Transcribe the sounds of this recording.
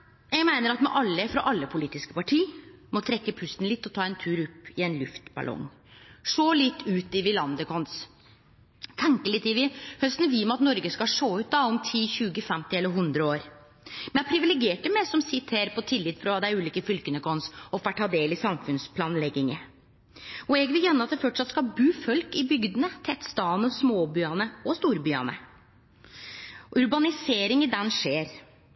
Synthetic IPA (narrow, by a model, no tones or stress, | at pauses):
jɛɡmæɪnəɾɑt̪mɛʔɑlːəfɾɑʔɑlːəpʰʊliːt̪ɪskə̥pɑʈʰiːmɔt̪ʰɾɛkːəpʰʉst̪n̩lɪt̪ːɔt̪ʰɑːɛnt̪ʰʉːɾɔpːɪɛnlʉft̪bɑ̰lɔ̰ŋ | ʂoːlɪt̪ːʉːt̪ɪʋɪlɑnd̪əkʰɔns | t̪ʰɛŋkəɭɪt̪ːɪʋɪhœst̪nʋiːmɑt̪nɔɾɡəskɑʂoːʉːt̪̚d̪ɑɔmt̪ʰiːɕʉːɡəfɛmt̪ɪɛlːəɾɦʉnd̪ɾəoːɾ | mɛnæpʰɾɪʋɪlɛɡeːʈəmɛsɔmsɪt̪ʰeːɾpʰɔt̪ʰɪlːɪt̪ːfɾɑd̪ɛæɾʉːliːkəfʏlkənəkʰɔnsɔfæʈʰːɑːd̪eːlɪsɑmfʉnspʰlɑːnlɛɡɪŋə | ɔɛɡʋɪljɛnːəɑt̪̚d̪ɛfɔʈʂɑt̪skɑbʉːfœlkɪbʏɡd̪ənət̪ʰɛt̪st̪ɑːnɔsmoːbyːɑnəɔst̪uːɾbyːɑ̰nə̰ | ʉɾbɑnɪseːɾɪŋɪd̪ɛnʂeːɾ